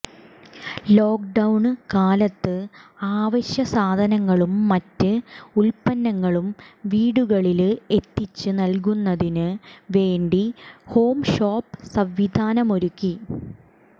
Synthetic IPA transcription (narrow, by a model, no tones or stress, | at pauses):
lo̞ːk̚ɖɐwɳkaːlɐt̪ːɨaːʋɐɕjɐsaːd̪ʱɐnɐŋːɐɭumːɐtːɨulpɐnːɐŋːɐɭumʋiːɽuɣɐɭile̞t̪ːit͡ɕːɨnɐlk̬unːɐðinɨʋe̞ːɳɖiho̞ːmʂoːpːsɐʋʋid̪ʱaːnɐmo̞ɾukːi